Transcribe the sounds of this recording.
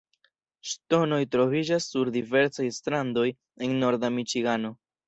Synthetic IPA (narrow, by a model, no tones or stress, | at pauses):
ʃto̞no̞jtɾo̞vid͡ʒasːuɾdive̞ɾsajstɾando̞j | e̞nːo̞ɾdamit͡ʃiɡano̞